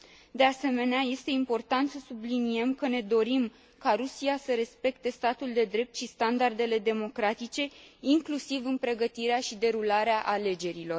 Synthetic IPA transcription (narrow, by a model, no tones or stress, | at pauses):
d̪e̞ase̞me̞neaje̞st̪e̞impo̞rt̪ant̪səsublinie̞mkəne̞d̪o̞ɾim | kaɾusiasəɾe̞spe̞kt̪e̞st̪at̪uld̪e̞d̪ɾe̞p̚t̪ʃist̪and̪ard̪e̞le̞d̪e̞mo̞kɾat̪it͡ʃe̞iŋklusivɨnpɾe̞ɡət̪iɾeaʃid̪e̞ɾulaɾeaʔale̞d͡ʒe̞ɾilo̞r